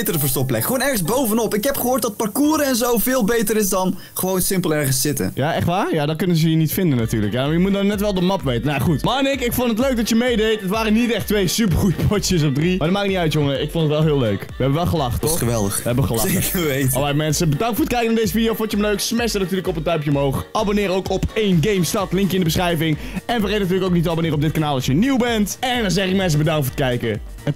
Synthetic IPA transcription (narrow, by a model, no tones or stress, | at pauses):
tərəvəɹstɔplɛkχəʋoːnɛɹχənzbowvənɔpɪkɦɛpχəɦoːɹt̚dɑt̚pɑrkuːɾəɛnzowvɪːlˠbejtəɾɪsdɑn | χəʋownsɪmpəlˠɛɹχənsɪtə̰jaʔɛχtʋaːjadɔkɵnənzəjənitfɪndənatyːɹləkjamaɹjəmut̚dɔnːɛtʋɛlˠdəmɑpʋejtənaχutmɑːnɪkɪkfondətløɥk̚dɑtjəmejdejtətʋaːrənitɛχtʋejsyp̬əɹχujəpʰɔtjəs̬ɔfdrimaɹdɔtmaːkɪknitœɥtjoŋəɹɪkfɔndətʋɛlˠɦɪːlˠløɥkʋəɛbəʋɛlˠχəlɑχtːɔəʋɛlˠdəχʋəɛbəχəlɑsekəʋejtlˠajmɛnsəbədɑŋktfʊːɹət̚kɛjkənaːdejzəfidijowfont͡ʃəəmløɥksmɛsənatyːrləkɔpəntɑɥpjəomɦowχabonɪːɾowkɔpejnɡejmstɑtlɪŋkjəɪndəbəsχrɛjvɪŋɛnfərejtnat̬yːləkoʊwknitəabonɪːrəɔp̚dɪt̚kanaːlˠɑsjəniwbɛntɛndɑnzɛχɪk̚mɛns̬əbədɑŋktfʊːɹtkɛjkə